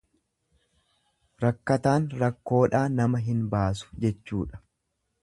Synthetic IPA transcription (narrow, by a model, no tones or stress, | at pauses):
ɾɐkːɐt̪aːnɾɐkːo̞ːᶑaːnɐmɐɦɪnbaːs̬ʊ̥d͡ʒɛt͡ʃːuːᶑɐ̥